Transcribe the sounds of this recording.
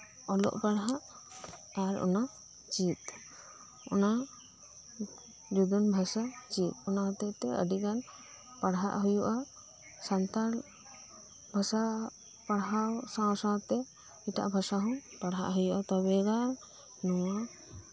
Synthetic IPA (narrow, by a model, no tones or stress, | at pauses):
ɔlɔ̰ʔpaɽɦaʔ | aɾɔ̰na | t͡ʃit̪̚ | ɔ̰na | d͡ʒud̪ɔnbʱasat͡ʃit̪̚ɔnaɦɔt̪ɛt̪ɛə̰ɖikan | paɽɦa̰ʔɦujuʔa | sant̪al | bʱasa | paɽɦawsãsãt̪ɛ | iʈa̰ʔbʱasaɦɔ̃paɽɦa̰ʔɦujuʔat̪ɔbɛɡa | nɔwa